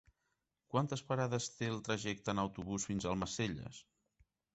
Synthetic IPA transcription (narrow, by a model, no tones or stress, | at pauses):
kwant̪əspəɾaðəst̪elˠt̪ɾəʒɛk̚t̪ənəwt̪uβusfinzəlˠməseʎə̰s